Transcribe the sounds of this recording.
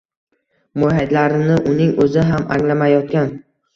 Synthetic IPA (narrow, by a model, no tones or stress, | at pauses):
moɦad̪laɾɪnɪʔʊnɪŋɵzɪɦamʔa̰ŋlamajɒt̪kʲan